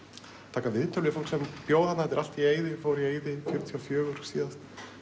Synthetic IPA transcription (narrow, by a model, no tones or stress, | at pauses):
t̪ʰaːkavɪðt̪ʰœlɪfolksɛmpjoːwðanaɛt̪̬ːɾal̥t̪ieːjðɪfoːwɾieːjðɪfjʏɾt̪ʰiafjœːɣʏɾ̥siːðast̪